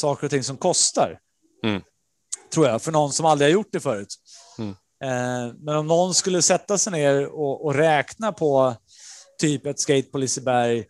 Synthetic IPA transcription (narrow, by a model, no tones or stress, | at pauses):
sɑːkəɾɔt̪ʰɪŋːsɔmkʰɔst̪a̰ɾ | t̪ʰɾuːɾjafœɳɔnsɔmald̪ɾɪhaɾjʊʈ̚ːd̪ɛfœːɾʉ̟ːt̪ | mɛnɔmnɔnskɵlːəsɛt̪ːasɛjneːɾɔʔɔɾɛːknapʰɔ | t̪ʰyːpɛt̪skeɪt̪̚pʰɔlɪsəbæɾj